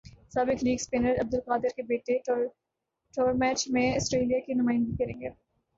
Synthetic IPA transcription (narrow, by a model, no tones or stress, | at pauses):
saːbɪkɾiːkspeːnəɾɐb̚d̪ʊlqaːd̪ɪɾkebeːʈe | ʈoːɾmɛːt͡ʃmẽɐsʈɾeːlijakinʊmaːɪ̃nd̪ikɐɾẽːŋɡeː